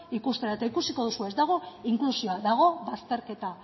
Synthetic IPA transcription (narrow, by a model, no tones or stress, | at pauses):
ikust̪eɾaet̪aikusiko̞ð̞usue̞zd̪aɣ̞o̞iŋklusio̞aðaɣ̞o̞βast̪e̞ɾke̞t̪a